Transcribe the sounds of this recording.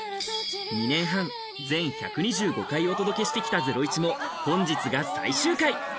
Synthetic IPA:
ɲ̟inẽ̞ɰ̃ɦãŋ | d͡zẽ̞ɰ̃ça̰kɯ̟ɲ̟iʑɨːɡo̞kaio̞t̪o̞d̪o̞ke̞ɕi̥t̪e̞kʲi̥t̪ad͡ze̞ɾo̞it͡ɕimo̞hõ̞ɲ̟d͡ʑit͡sɨɡasa̰iɕɨːkai

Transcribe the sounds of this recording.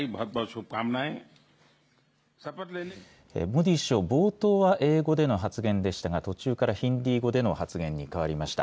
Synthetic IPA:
ibʱɐt̪̚bɔsʰup̚kamnaj | sapat̪le | ḛmo̟d̪ʲiɕo̞bo̞ːt̪o̞ːβaʔe̞ːɡo̞d̪e̞no̞ɦat͡sɨɡẽ̞nd̪e̞ɕi̥t̪aɡat̪o̞t͡ɕɨːkaɾaçĩnd̪ʲiːɡo̞d̪e̞no̞hat͡sɨɡẽ̞ɲ̟ːikaβ̞aɾʲimaɕi̥t̪a̰

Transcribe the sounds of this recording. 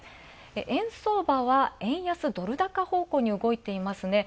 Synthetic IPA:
eʔẽɰ̃so̞ːbaβaẽ̞ɰ̃jasɨd̪o̞ɾɯ̟d̪akaho̞ːko̞ːɲ̟iɯ̟ɡo̞it̪e̞imasɨne̞

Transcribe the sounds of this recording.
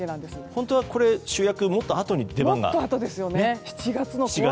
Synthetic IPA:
enãnd̪esɨhõ̞nt̪o̞βako̞ɾe̞ɕɨːjakɯ̟mo̞t̪ːoat̪o̞ɲ̟id̪emõŋɡa̰t̪ːoat̪o̞d̪esɨjo̞neeçi̥t͡ɕiɡat͡sɨnot͡ɕia

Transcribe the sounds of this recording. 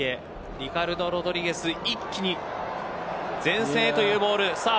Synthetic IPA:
e | ɾʲikaɾɯ̟d̪o̞ɾo̞d̪o̞ɾʲiɡe̞sɨikʲːiɲ̟i | d͡zẽ̞ɰ̃se̞ːt̪o̞jɯ̟ːbo̞ːɾɯ̟sa

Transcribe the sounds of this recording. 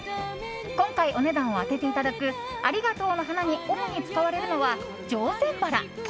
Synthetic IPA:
kõ̞ŋkaiʔo̞ne̞d̪ãɰ̃o̞at̪e̞t̪e̞it̪ad̪akɯ̟ | aɾʲiɡat̪o̞ːno̞ɦanaɲ̟io̞moɲ̟it͡sɨ̥kaβaɾe̞ɾɯ̟no̞βa | d͡ʑo̞ːse̞ːbaɾa̰

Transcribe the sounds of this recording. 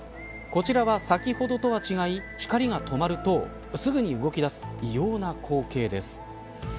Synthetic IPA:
ko̞t͡ɕiɾaβasakʲiho̞d̪o̞t̪o̞βat͡ɕiɡaiçi̥kaɾʲiɡat̪o̞maɾɯ̟t̪o̞ː | sɨɡɯ̟ɲ̟iɯ̟ɡo̞kʲid̪asɨ̥ijo̞ːnakʰo̞ːke̞ːd̪e̞sɨ̥

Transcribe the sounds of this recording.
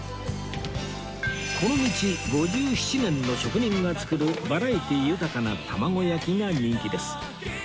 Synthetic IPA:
ko̞no̞mʲit͡ɕiɡo̞ʑɨːçi̥t͡ɕinẽ̞nːo̞ɕo̞kɯ̟ɲ̟ĩŋɡat͡sɨ̥kɯ̟ɾɯ̟baɾait̪ijɯ̟t̪akanat̪ʰamaɡo̞jakʲiɡaɲĩŋkʲid̪e̞sɨ̥

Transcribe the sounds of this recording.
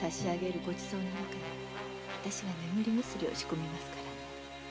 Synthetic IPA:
kaɕiaɡe̞ɾɯ̟ɡo̞t͡ɕi̥so̞ːnonakaɲe | βat̪aɕiɡanemɯ̟ɾʲimɯsɨɾʲio̞̰ɕi̥ko̞mʲimasɨ̥kaɾa

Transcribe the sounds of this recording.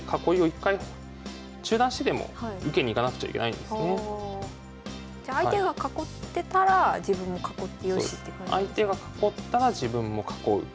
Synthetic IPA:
kʰako̞io̞ikːai | t͡ɕɨːd̪ãɕi̥t̪et̪emo̞̰haiɯ̟ke̞ɲ̟iːkanakɯ̟̥t͡ɕa̰ḭkʲe̞na̰ḭnd̪esne | d͡ʑaːiat̪e̞ɡakako̞t̪ːe̞t̪aɾad͡ʑibɯ̟̃mːo̞kako̞t̪ːejoit̪ːekɯa̰it̪e̞ɡakḁko̞t̪ːaɾad͡ʑibɯ̟̃mːo̞kʰḁko̞ɯ̟̰

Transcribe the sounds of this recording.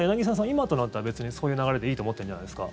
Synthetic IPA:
janaɡʲis̬ãs̬ãimat̪o̞nat̪ːaɾabe̞t͡sɨɲ̟iso̞ːjɯ̟naɡaɾe̞d̪e̞iːt̪omo̞t̪ːẽd͡ʑanajd̪esɨ̥ka̰

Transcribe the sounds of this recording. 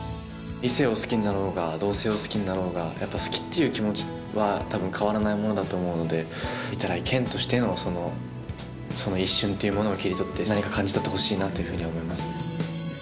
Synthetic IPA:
ise̞osɨ̥kʲiɲinaɾo̞ːɡad̪o̞ːse̞ːo̞sɨ̥kʲiɲ̟inaɾo̞ːɡajʔapːasɨ̥kʲi̥t̪ːe̞jɯ̟ːkʲimo̞t͡ɕi̥ | βat̪abɯ̟̃ŋkʰaβaɾanaimo̞no̞d̪at̪o̞ːmo̞ɯ̟no̞d̪e̞ | it̪aɾaikʰẽ̞nt̪o̞ɕi̥t̪e̞no̞so̞no̞ | so̞no̞iɕːɨ̃nt̪ːe̞jɯ̟mo̞no̞okʲiɾʲit̪o̞t̪ːe̞naɲ̟ikakãɲ̟d͡ʑit̪ot̪ːeho̞ɕiːnat̪ːo̞jɯ̟ɸɯ̟ːɲ̟iβaomo̞imasɨ̥

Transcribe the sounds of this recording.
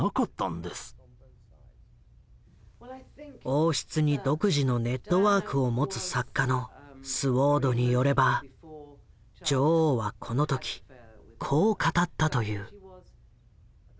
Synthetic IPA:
akat̪ːã̰nd̪e̞sɨ̥ | o̞ːɕi̥t͡sɨɲ̟id̪o̞kɯ̟ʑino̞ne̞t̪ːo̞βaːkɯ̟o̞mo̞t͡sɨsakːano̞sɨβo̞ːd̪o̞ɲ̟ijo̞ɾe̞ba | d͡ʑo̞ːβakʰo̞no̞t̪o̞kʲi̥kʰo̞ːkat̪at̪ːat̪o̞jɯː

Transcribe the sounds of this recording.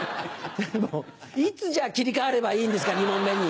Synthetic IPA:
d̪amo | it͡sɨʑakʲiɾʲikaaɾe̞baiːnd̪e̞sɨkaɲ̟imõ̞mːe̞ɲ̟i

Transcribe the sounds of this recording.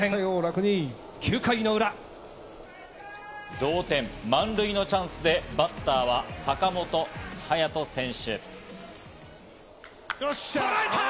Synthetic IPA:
ẽjoɾakɯ̟ɲĩ | kʲʰɨːkaino̞ɯ̟ɾa | d̪o̞ːt̪ẽ̞mːãnɾɯ̟ino̞t͡ɕãɰ̃sɨd̪e̞bat̪ːaːβasakamo̞t̪o̞hajat̪o̞sẽ̞ɰ̃ɕɨ̰

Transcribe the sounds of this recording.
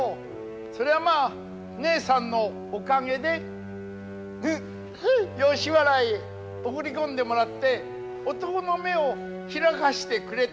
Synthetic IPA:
o | so̞ɾe̞βamaː | ne̞ːsãnːo̞ː | kaŋe̞d̪e̞ | ɯ̃ | jo̞ːɕiβaɾai | okɯ̟ɾʲikõ̞nd̪e̞mo̞ɾat̪ːe̞ | ot̪o̞kono̞me̞o | çiɾakaɕi̥t̪e̞kɯ̟ɾe̞t̪

